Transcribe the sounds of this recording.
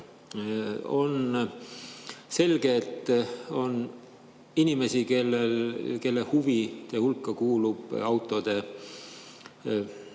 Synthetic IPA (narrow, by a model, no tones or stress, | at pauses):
o̞n | se̞lɡ̥e̞t̪ˑo̞n | inime̞sikelːelke̞lːehuvit̪ehulkːˑɑkuːlub̥ɑwt̪ːˑo̞d̪̥e̞